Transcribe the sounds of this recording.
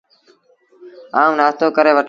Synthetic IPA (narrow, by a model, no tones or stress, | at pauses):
aːũːnaːst̪oːkəɾeːʋəʈ